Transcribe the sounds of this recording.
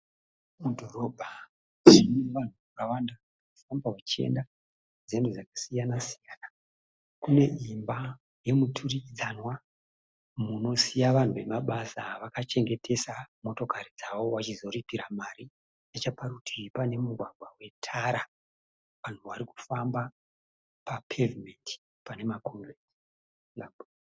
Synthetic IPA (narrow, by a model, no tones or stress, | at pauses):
mudʱo̞ɾo̞bʱa | neʋan̤ukaʋandaaaufambawat͡ʃe̞̰nda | d͡zendud͡zakḁsijanasijaːna | kune̞imba | je̞mutʰurid͡zanwa | muno̞sijaʋan̤uʋe̞maɓasaʋakat͡ʃe̞ŋɡe̞tʰe̞samo̞to̞kaɾid͡zawo̞wat͡ʃizo̞ɾipiɾamaɾi | jat͡ʃapaɾutʰipane̞muɡʱwaɡʱwawe̞tʰaɾa | ʋan̤uʋaɾiku̥famba | papʰevimenti̥ | pane̞makʰoŋrenti | lambu